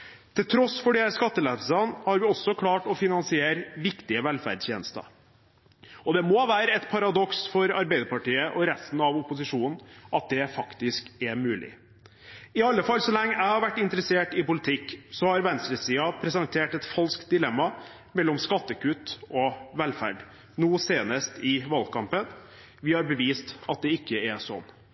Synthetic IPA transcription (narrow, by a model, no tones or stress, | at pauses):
t̪ʰɪlt̪ʰɾɔsfɔɖɛskɑt̪ːəlɛfsɑnhɑɾʋɪɔsːɔkʰlɑːʈɔfɪnɑnsɪeːɾʋɪkt̪ɪəʋɛlfæ̰ɖsjḛnəst̪ə̰ | ɔd̪ɛmɔʋæːɾəɛt̪pʰɑɾɑd̪ɔksfɔɾɑɾbɛɪd̪əɾpɑʈiːəʔɔɾɛst̪n̩ɑʋʊpʊsɪʂuːnn̩ʔɑt̪̚d̪ɛfɑkt̪ɪskɛmʉːlɪ̰ | ɪɑlːəfɑlsɔlɛŋːəʔæɪhɑɾʋæʈːɪnt̪əɾɛseːʈɪpʊlɪt̪ʰɪkːsɔhɑɾʋɛnst̪ɾəsiːɑpʰɾɛsɛnt̪ʰeːʈɛt̪fɑlskt̪̚d̪ɪlɛmːɑ | mɛlːɔmskɑt̪ːəkʉt̪ɔʋɛlfæ̰ɖ | nuːəseːnəst̪ʰɪʋɑlkʰɑmpən | ʋɪhɑɾbəʋiːst̪ɑt̪̚d̪ɛɪkːəɛsɔ̰nː